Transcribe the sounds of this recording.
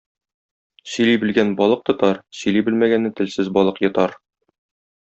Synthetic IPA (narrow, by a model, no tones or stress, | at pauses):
sɵ̆libɘ̆lɡænbɒlˠɤq̚t̪ŏt̪ɑɾsɵ̆jlibɘlmæɡænːɘt̪ɘ̆lsɘzbɒlˠɤqjŏt̪ɑɾ